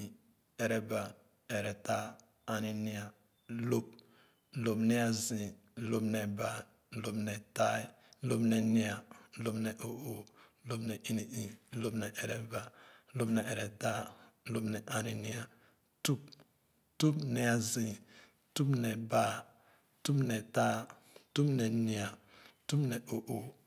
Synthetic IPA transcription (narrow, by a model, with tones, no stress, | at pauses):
ɛ˨ɾɛ˦ba˨ | ɛ˨ɾɛ˨ta˦ | a˨ni˨ni˦a˨ | lo˦p̚ | lo˨pnɛ˦a˦zĩ˨ | lo˦pnɛ˨ba˨ | lo˦pnɛ˨ta˦i˦ | lo˦bnɛ˨ni˦a˨lo˦pnɛ˨ʔo˦˨ʔo˨˦lo˦bnɛ˨ʔi˦ni˨ʔi˨˦lo˦bnɛ˨ʔɛ˨ɾɛ˨ba˨˦lo˦bnɛ˨ʔɛ˨ɾɛ˨ta˦lo˦bnɛ˨ʔa˨ɾi˨ni˦a˨ | tu˦p̚ | tu˦pnɛ˨a˨zĩ˨ | tu˦pnɛ˨ba˦˨ | tu˦pnɛ˨ta˦ | tu˦pnɛ˨ni˨a˨tu˦pnɛ˨ʔo˨ʔo˨